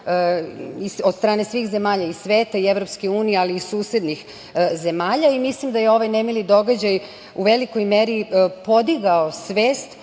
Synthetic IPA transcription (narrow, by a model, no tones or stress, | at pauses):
iod̪st̪ɾaːne̞sʋiːxze̞maːʎaisʋeːt̪aieʋɾo̞pskeuːnijealiːsuːse̞d̪nix | ze̞maːʎaimislimd̪ajeo̞ʋajnemilid̪o̞ɡad͡ʑaj | uʋe̞liko̞jmeːɾipo̞d̪iɡao̞sʋeːst̪